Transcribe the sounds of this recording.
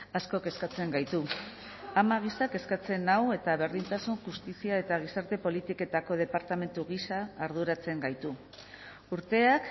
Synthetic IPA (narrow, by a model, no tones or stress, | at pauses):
asko̞ke̞skat͡se̞ŋɡajt̪u | amaɣ̞isake̞skat͡se̞nawe̞t̪aβ̞e̞ɾðint̪asunʝust̪isiae̞t̪aɣ̞isaɾt̪e̞po̞lit̪ike̞t̪ako̞ð̞e̞paɾt̪ame̞nt̪uɣ̞isaːɾð̞uɾat͡se̞ŋɡajt̪u | uɾt̪e̞ak